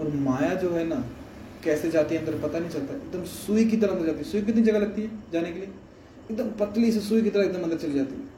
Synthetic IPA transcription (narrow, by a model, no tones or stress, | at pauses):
ɔːɾmaːjaːd͡ʒoːɦɛːnaː | kɛːsed͡ʒaːt̪iə̃nd̪əɾpət̪aːnəĩːt͡ʃɐlt̪aːɪk̚d̪əmsuik̬it̪əɾãːnd̪əɾd͡ʒaːt̪iɛsʊik̬ɪt̪nĩd͡ʒəɡaːləɡ̚t̪iɛd͡ʒaːneːkeli | ɪk̚d̪əmpət̪lisesuiːk̬it̪əɾaɪk̚d̪əmə̃nd̪əɾt͡ʃəliːd͡ʒaːt̪iːɛ